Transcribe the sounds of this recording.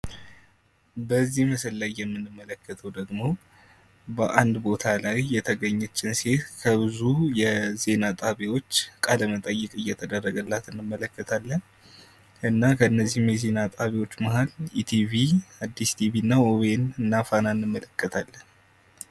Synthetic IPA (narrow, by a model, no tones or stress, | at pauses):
bəzːihməsəlːajːɛmːɨnːɨmːələkːət̪ʰəwd̪əɡmo̞ | bəʔand̪bo̞t̪ʰalajːɛt̪ʰəɡəɲːɛt͡ʃʼːɪnse̞t̪kʰəβɨzujɛze̞nat̪ʼaβewo̞t͡ʃːkʼaləmət̪ʼəjːɛkʼɨjːɛt̪ʰəd̪ərːəɡəlːat̪ɨnːɨmːələkːət̪ʰalːən | ʔɨnːakʰəɨnːəzːihmjɛze̞nat̪ʼaβewo̞t͡ʃːmaɦalit̪ʰiviad̪ːist̪ʰiβiɨnːaowenɨnːafananːɨmːələkʰːət̪ʰalːən